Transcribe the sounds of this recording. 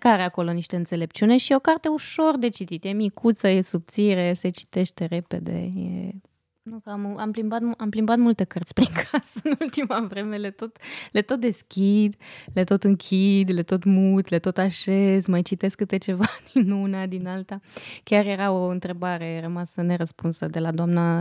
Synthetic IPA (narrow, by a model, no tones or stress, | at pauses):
kaɾeako̞lo̞niʃt̪e̞ɨnt̪se̞le̞p̚t͡ʃiune̞ʃio̞kart̪e̞uʃo̞rd̪e̞t͡ʃit̪it̪jemikut̪səjesub̚t̪siɾese̞t͡ʃi̥t̪e̞ʃt̪e̞ɾe̞pe̞d̪e̞̰jḛ | nukamamplimbat̪amplimbat̪mult̪e̞kərt̪sʲpɾiŋkʰasəɨnult̪imavɾe̞me̞let̪o̞t̪le̞t̪o̞t̪̚d̪e̞skʲid̪let̪o̞t̪ɨŋkʲʰid̪let̪o̞t̪mut̪let̪o̞t̪aʃezmajt͡ʃit̪e̞skːɨt̪e̞t͡ʃe̞vad̪̥inunad̪inalt̪akʲjarje̞ɾao̞ɨnt̪ɾe̞baɾe̞rəmasəne̞ɾəspunsəd̪e̞lad̪oamna